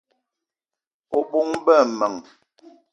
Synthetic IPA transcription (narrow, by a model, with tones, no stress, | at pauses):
o˨bo˦ŋm˦bɛ˦˨mə˨ŋ